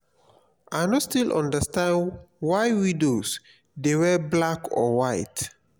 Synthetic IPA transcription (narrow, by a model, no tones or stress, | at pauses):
ʔaɪnɔtstilʔɔ̰̃ndəstãndwajwĩdos | dewɛblakʰɔ̰waɪt